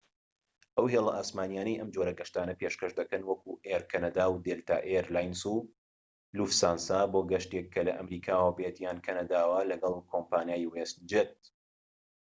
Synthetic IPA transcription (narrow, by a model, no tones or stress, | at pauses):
ʔɐwɦeːlˠɐʔaːsmaːnjaːnɐjʔɐmd͡ʒoɾɐɡɐʃt̪aːnɐpeʃkɐʃd̪ɐkɐnwɐkuʔeɾkʰɐnɐd̪aːwd̪elt̪ʰa̰ʔeɾlaːjnsu | lufsaːnsaboːɡɐʃt̪ekʰːɐlɐʔɐmɾiːkʰaːwɐbet̪jaːnkʰɐnɐd̪aːwɐlɐɡɐlˠkʰoːmpaːnjaːjwest̪̚d͡ʒet̪̚